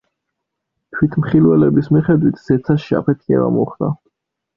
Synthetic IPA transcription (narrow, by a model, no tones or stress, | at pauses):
t̪ʰwit̪ʰmχilˠwɛlɛbismiχɛd̪wit̪ʰz̥ɛt̪sʰaʃia̰pʰɛt̪ʰiɛ̰va̰mɔχd̪a